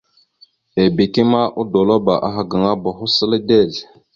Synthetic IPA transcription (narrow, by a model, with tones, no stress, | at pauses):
e˨bi˨ki˦ma˦ʔu˦do˨lo˦ba˨ʔa˦ɦa˨ɡa˨ŋa˦ba˨xu˦sə˦lə˦de˦˨l